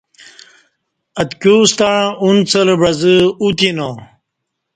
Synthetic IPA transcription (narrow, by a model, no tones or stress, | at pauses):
ɐt̪kuːst̪aɻãunt͡səlbɐzəut̪inõ